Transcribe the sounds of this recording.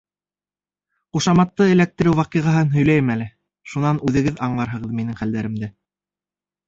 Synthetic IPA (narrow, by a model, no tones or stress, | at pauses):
quʃɑmɑt̪ːɤɘ̆læk̚t̪ɘ̆ɾɘwwɑqiʁɑɦɤnɦɵ̆jlæjɘmælɘ | ʃunɑnʉðɘ̆ɡɘðɑɴlˠɑɾɦɤ̆ʁɤðminɘŋχæld̪æɾɘ̆md̪ɘ